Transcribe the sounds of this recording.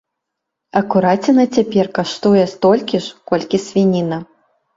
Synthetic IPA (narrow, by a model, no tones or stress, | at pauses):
ɐkuɾat͡sʲɛnɐt͡sʲapʲɛrkaʂt̪ujɛst̪ɔlʲkʲiʂkɔlʲkʲisʲvʲinʲinɐ